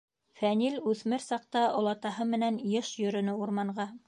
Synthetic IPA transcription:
fænilʉθmɘɾsɑq̚t̪ɑʔŏlˠɑt̪ɑhɤmɘ̆nænjɤʃjɵ̆ɾɵ̆nɘuɾmɑɴʁɑ

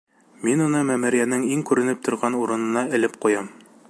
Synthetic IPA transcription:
minunɤmæmɘ̆ɾjænɘŋiŋkʉɾɘ̆nɘp̚t̪ŏɾʁɑnuɾɤ̆nɤ̆nɑɘ̆lɘpqujɑm

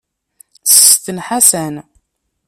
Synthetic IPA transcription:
st̪ənħasæn

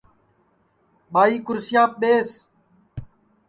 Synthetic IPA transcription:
ɓaːiːkʊɾsɪjaːp̚ɗ̪eːs

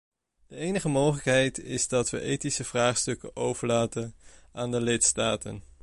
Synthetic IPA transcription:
d̥əejnəχəmowχələkɦɛjtɪzdɑtʋə̰ʔejtisəv̥raːχstɵkə̰owvəɹlaːtənʔaːndəlɪtstaːtə̰n

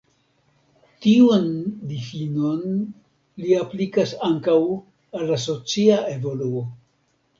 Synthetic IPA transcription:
tiundifino̞n | liaplikasaŋkaw | alːas̬o̞t͡siaʔe̞vo̞luo

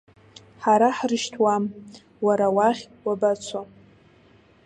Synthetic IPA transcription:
ħaɾaħrɨʃtʰwam | waɾawaχʲ | wabat͡sʷʰa

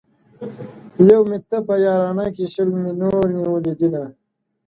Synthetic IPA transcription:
jɐwmit̪ːɐpɐjaːɾaːnakiɕəlminoːɾniwəlid̪ina

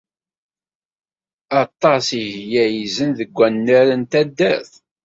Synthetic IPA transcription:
ɑt̪ˤːɑsiʝʝjæjizənðəɡʷːænːəɾənt̪æd̪ːæθ

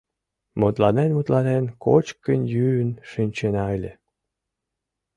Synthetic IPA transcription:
mot̪lɑnenmut̪lɑnenko̰t͡ɕkənjynʃynʲt͡ɕenɑelʲe

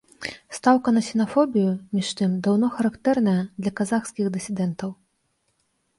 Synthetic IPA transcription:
st̪awkɐnɐsʲɛnafɔbʲijumʲiʂt̪ɨmd̪awn̪ɔxɐɾakt̪ɛrnɐjɐd̪lʲɐkazaxskʲixd̪ɨsʲid̪ɛnt̪ɐw

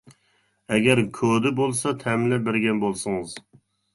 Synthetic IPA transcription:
ɛɡʲɛɾkʲʰod̪ɪbolˠsɑt̪ʰɛmlɛbɪɾɡʲɛnbolˠsɨŋɨz

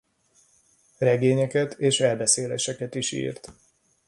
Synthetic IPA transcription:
rɛɡeːɲɛkɛt̪ʰeːʃɛlbɛseːleʃɛkɛt̪iʃḭːrt̪

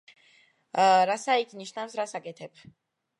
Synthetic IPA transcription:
ɾasaikʰniʃnafsɾasakʼɛt̪ʰɛp

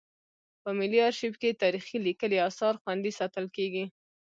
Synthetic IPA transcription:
pəmɪliɑɾʃibket̪ɑɾixilikəliɑsɑɾxwand̪isɑt̪əlkeɡi

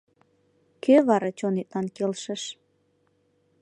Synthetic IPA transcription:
kʰøβɑɾɑt͡ɕonet̪̚lɑnkelʃəʃ

